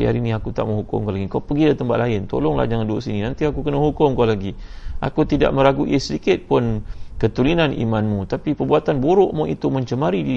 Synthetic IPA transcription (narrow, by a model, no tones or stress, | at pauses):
ja̰ɾiniakut̪a̰ʔməŋɦukʊ̰mkalaɡikawpəɡilat̪əmpaʔ̪laɪnt̪o̰lɔŋla̰hd͡ʒaŋanduoʔsininant̪iakukənəɦukʊmkalaɡiʔa̰kut̪ida̰ʔmə̃ɾaɡuʔɪsədikɪt̪̚pʊnkət̪ulinanḭmanmũt̪apipərbuat̪anboɾʊʔmɔit̪uməɲt͡ʃəmaɾidi